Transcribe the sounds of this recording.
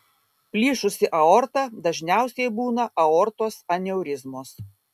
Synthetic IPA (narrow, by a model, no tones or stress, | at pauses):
pʲlʲiːʃʊsʲɪʔɐɔɾt̪ɑd̪ɐʒʲnʲæˑʊsʲɛɪbuːnɐʔɐɔɾt̪oːsɐnʲɛʊɾʲɪzmoːs